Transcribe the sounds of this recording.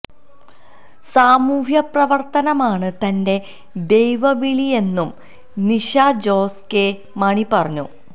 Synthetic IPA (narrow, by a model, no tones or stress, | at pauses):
saːmuːɦjɐprɐʋɐrt̪ɐnɐmaːɳɨt̪ɐnde̞ | d̪e̞jʋɐʋiɭije̞nːum | niʂaːd͡ʑo̞ːske | mɐɳipɐrɐɲːṵ